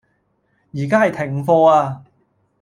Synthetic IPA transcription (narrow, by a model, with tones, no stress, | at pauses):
jiː˨˩kaː˥ɐ˨jt̪ʰɪ˨˩ŋfɔː˧aː˧